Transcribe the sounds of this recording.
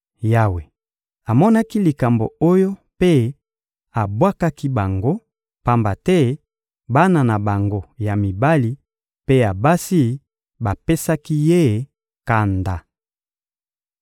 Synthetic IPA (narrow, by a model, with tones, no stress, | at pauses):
ja˦we˨ | a˨mɔ˦na˦ki˦li˨ka˨mbo̰˨o˦jo˦pe˦ | a˨bwa˦ka˦ki˦ba˨ŋɡo˦ | pa˦mba˨tɛ˦ | ba˦na˨na˨ba˨ŋɡo˦ja˨mi˨ba˦li˦ | pe˦a˨ba˦si˦ | ba˨pe˦sa˦ki˦je˦˨ | ka˨nda˨